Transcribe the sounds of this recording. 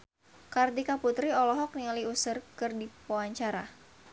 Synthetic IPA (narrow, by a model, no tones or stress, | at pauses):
kardikaput̪ɾiɔlɔɦɔk̚nialiusərkɨrdipoaɲt͡ʃaɾa